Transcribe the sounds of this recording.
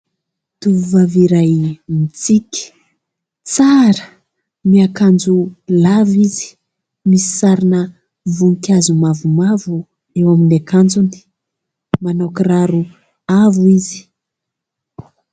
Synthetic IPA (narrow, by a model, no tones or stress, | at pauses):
t̪uvvaviɾajmit͡siki̥ | t͡saɾə | miakand͡zulavizi̥ | misi̥saɾinə | vunkazumavumavu | ewaminakand͡zuni̥ | manakiraɾu | avuizi̥